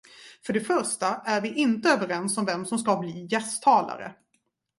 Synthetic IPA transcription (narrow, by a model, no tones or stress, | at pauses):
fœɖɛfœɾʂʈaæɾvɪʔɪnt̪əøːvəɾɛnsɔmvɛmsɔmskabliːjɛst̪ʰːɑːla̰ɾə̰